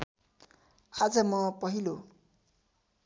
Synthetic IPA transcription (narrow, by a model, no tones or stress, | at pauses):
ad͡zʌmʌpʌɦilo